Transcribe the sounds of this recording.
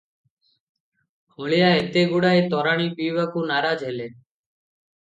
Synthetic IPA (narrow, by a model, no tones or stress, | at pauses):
hoɭijaet̪eɡuɽaet̪ɔɾaɽ̃ipibakunaɾad͡ʒɦele